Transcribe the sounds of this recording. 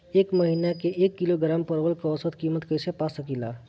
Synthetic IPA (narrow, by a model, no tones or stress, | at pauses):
eːkməɦinakeʔekːiloɡɾampəɾʋəlkɔsət̪kiːmət̪kəjsepasəkila̰